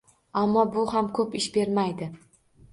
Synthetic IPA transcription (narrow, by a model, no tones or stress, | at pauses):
amːɒbʊhamkʰɵpɪʃbe̞ɾmajd̪ɪ